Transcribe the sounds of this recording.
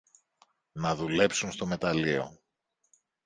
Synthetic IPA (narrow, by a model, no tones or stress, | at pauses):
nɐðule̞psunst̪o̞me̞t̪ɐlio̞̰